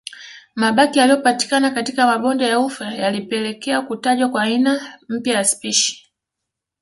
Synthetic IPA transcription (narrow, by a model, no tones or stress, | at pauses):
maɓakijalijɔpati̥kanakatikamaɓɔndɛjaufajalipɛlɛkɛakutaʄwakwainam̩pjajaspiʃi̥